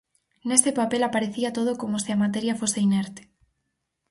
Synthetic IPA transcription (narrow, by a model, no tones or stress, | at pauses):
nest̪epapelapaɾeθiat̪oð̞okomoseamat̪̬eɾjafoseineɾt̪e̥